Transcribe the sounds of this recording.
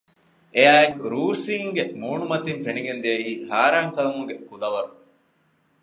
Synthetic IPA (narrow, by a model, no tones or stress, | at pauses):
ejaːekuɾuːsiːŋɡemuːɳumɐt̪infeniɡend̪eɐiːhaːɾaːŋkɐlɐmuŋɡekulɐʋɐɾu